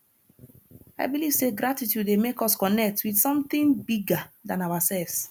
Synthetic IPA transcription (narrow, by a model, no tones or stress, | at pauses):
aɪbiliv̥seɡɹatitjudemekɔskɔnɛk̚twidsɔ̃mt̪ĩŋbiɡadãnaʊwasɛlvs